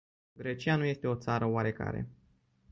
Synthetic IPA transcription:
ɡɾet͡ʃijanuje̞st̪e̞o̞t̪saɾəowaɾe̞ka̰ɾe̞̰

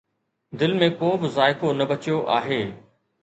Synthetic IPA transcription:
d̪ɪlmẽkoːbɪzaːɪkonɐbɐt͡ɕijoʔa̰ːɦeː

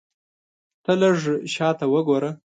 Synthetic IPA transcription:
t̪ələʐʃɑt̪awəɡoɾə

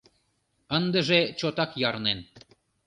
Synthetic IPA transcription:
ənd̪ə̆ʒet͡ɕot̪ɑkjɑɾnen

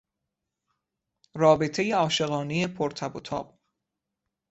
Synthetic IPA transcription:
rɒːbe̞t̪ʰe̞jeɒːʃe̞ɣɒːneje̞pʰoɾt̪ʰæbot̪ʰɒ̰ːb̥̚

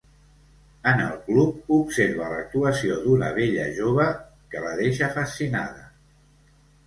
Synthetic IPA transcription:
ənə̰lˠklup̚upseɾβələk̚t̪uəsiod̪unə̰βeʎəʒoβ̞ə | kəβəðeʃəfəsina̰ðə

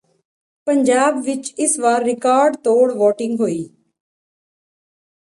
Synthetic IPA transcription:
pəɲd͡ʒaːbʋɪt͡ʃɪsʋaːɾːɪkaːɾɖt̪oːɽʋɔːʈɪ̃ŋɡɦoːiː

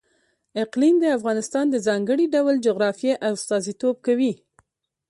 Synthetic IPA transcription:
ɪqlimd̪əafɣɑnɪst̪ɑnd̪əzɑŋɡəɽiɖawld͡ʒʊɣɾɑfjeʔawst̪ɑzit̪ob̚kawi

